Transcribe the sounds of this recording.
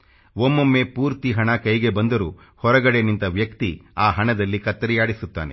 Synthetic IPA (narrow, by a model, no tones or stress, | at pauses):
ʋomːomːe̞puːɾt̪iɦɐɳɐkɐjɡe̞bɐnd̪ɐɾuː | hɔɾɐɡɐɽenint̪ɐʋjɐkt̪iaːɦɐɳɐd̪ɐlːikɐt̪ːɐɾijaːɽisut̪ːa̰ːnḛ